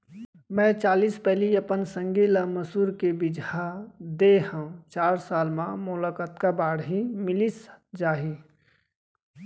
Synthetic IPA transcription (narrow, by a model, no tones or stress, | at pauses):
mɛ̃t͡ʃaːliːspɛɦliəpənsə̃ŋɡilaməsuːɾkebɪd͡ʒʱad̪eɦə̃t͡ʃaːɾsaːlmãmʊlakət̪kabaːɽɦimɪlisd͡ʒaːɦi